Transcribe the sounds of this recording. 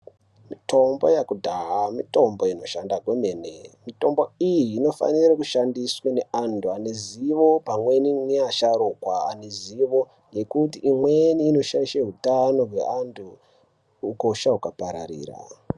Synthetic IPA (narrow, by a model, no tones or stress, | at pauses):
mito̞mbojakudʱaɦamito̞mbo̞ino̞ʃandaɡwemenḛmito̞mboijiːno̞fa̰niɾakuʃandiswane̞antʰuane̞ziʋo̞pamwe̞niniaʃaɾokwaa̰neziʋo̞ | je̞kutiʔːmweniːno̞ʃaiʃeɦutano̞ɦwḛʔantʰuː | koʃaukapaɾa̰ɾḭːra̰